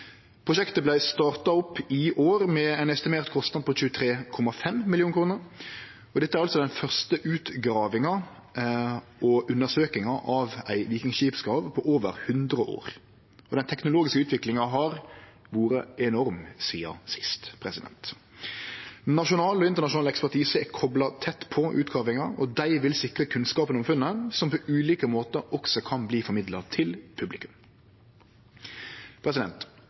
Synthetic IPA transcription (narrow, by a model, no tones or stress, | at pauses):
pʰʁʊʃɛkt̪əblæɪst̪ɑːʁt̪ɑɔpːɪʔoːɾmɛɛnɛst̪ɪmeːʁt̪kʰɔst̪nɑd̪̚pʰɔc͡çʉːət̪ʰɾeːkʰɔmːɑfɛmmɪljuːnkʰɾuːnəɾ | ɔd̪ɛt̪ːəæɾɑlsɔd̪ɛnfœʁst̪əʔʉːt̪ɡɾɑːʋɪŋɑ | ʔɔʉnːəsøːkɪŋɑʔɑʋæɪliːkɪŋʃiːpskɾɑːʋpʰɔʔoːʋə̰ɾhʉnd̪ɾəʔo̰ːɾ | ɔd̪ɛnt̪ʰɛknʊloːɡɪskəʉːt̪ʋɪklɪŋɑɦɑɾ | ʋuːɾəɛnɔɾmsiːɑ̰sɪ̥st̪pʰɾɛsɪd̪ɛ̰nt̪ | nɑʃʊnɑːlɔɪnt̪əɾɳɑʂ̬ʊnɑlɛkspæʈiːsəɛkʰɔblɑt̪ʰɛt̪ːpʰɔʔʉ̰ːt̪ɡɑːʋɪŋɑɔd̪æɪʋɪlsɪkɾəkʰʉnskɑːpənɔmfʉnːəsɔmpʰɔʉːliːkəmoːt̪əɾɔksɔkʰɑnbliːfɔɾmɪd̪lɑt̪ʰɪlpʰʉblɪkʉm | pʰɾɛs̬ɪd̪ɛnt̪